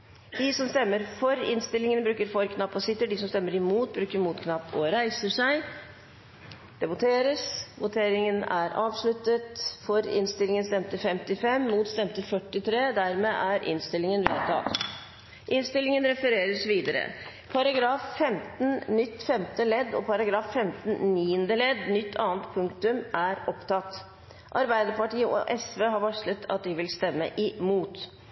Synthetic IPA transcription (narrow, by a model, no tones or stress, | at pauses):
d̪ɪsɔmst̪ɛmːəɾfɔɾɪ̰nst̪ɪlɪŋənbɾʉːkəɾfɔɾkʰnɑpːɔsɪt̪ːəɖɪsɔmst̪ɛmːəɾɪmuːt̪̚bɾʉːkəɾmuːt̪kʰnɑpːɔɾæɪsəʂæɪ | d̪̥ɛbʊt̪ʰeːɾəsʋʊt̪ʰeːɾɪŋənæ̰ɾɑːʋʂɭʉt̪ət̪fɔɾɪ̰nst̪ɪlɪŋənst̪ɛmt̪əfɛmt̪ɪfɛmːuːt̪st̪ɛmt̪əfœʈːɪt̪ʰɾeːd̪æɾmeːʔæɾʔɪ̰nst̪ɪlːɪŋənʋɛ̰ɑ̰l | ʔɪnst̪ɪlɪŋənɾɛfəɾeːɾəsʋiːd̪əɾə̰ | pʰɑɾɑɡɾɑːfːɛmt̪nnʏt̪ːfɛmt̪əlɛd̪ːɔ̰pʰɑɾɑɡɾɑːfːɛmt̪nniːənd̪əlɛd̪nʏt̪ʰːɑːənt̪pʰʉŋkt̪ʉmʔæɾɔpt̪ɑt̪ː | ʔɑɾbæɪd̪əɾpɑʈiːəʔɔ̰ʔɛsʋeːɦɑɾʋɑʂlət̪ʰɑ̰t̪̚d̪ɪʋɪlst̪ɛmːə̰ʔɪmuːt̪